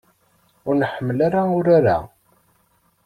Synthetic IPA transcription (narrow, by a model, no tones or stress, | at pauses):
ʊɾnəħəmːəlaɾaʊɾaɾa̰